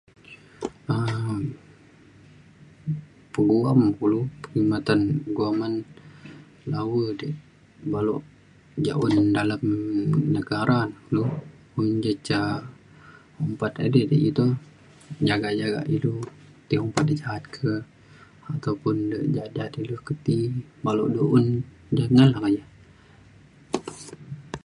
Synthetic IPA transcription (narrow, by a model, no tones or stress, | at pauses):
ə | pəɡuamkulupəɾimat̪anəɡuaman | lawədəʔ | baloʔ | d͡ʒa̰ʔʊndalamnəɡaɾʔankulu | umd͡ʒət͡ʃa | ɔmpat̪adədəit̪u | d͡ʒaɡad͡ʒaɡa̰ʔilu | t̪iɔmpat̪̚did͡ʒaɦat̪̚kʰə | at̪awpʊndəʔd͡ʒad͡ʒat̪ilukət̪ibaloʔduʔun | danalakaja